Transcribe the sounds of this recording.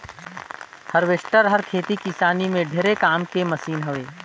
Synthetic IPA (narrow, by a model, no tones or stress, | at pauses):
həɾʋeʃʈəɾɦəɾkʰeːt̪ikisaːnimẽɖʱeːɾekaːmkemɐsiːnɦɐʋeː